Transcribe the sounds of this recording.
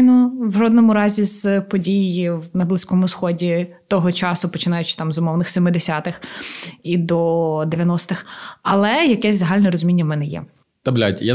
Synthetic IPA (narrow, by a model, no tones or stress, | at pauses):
nɔwʒɔd̪nɔmʊɾɑzʲizpɔdʲijɪwnɐblˠɪsʲkɔmʊsxɔdʲit̪ɔɦɔt͡ʃɑsʊpɔt͡ʃɪnɑjʊt͡ʃɪ̥t̪ɑmzʊmɔwnɪxsʲemɪd̪esʲat̪ɪxid̪ɔd̪eʋʲjɐnɔst̪ɪxɐlˠɛjɐkɛsʲzɐɦɑlʲnɛɾɔzʊmʲinʲːɐmɛnɛjɛ̰ | t̪ɐblʲatʲja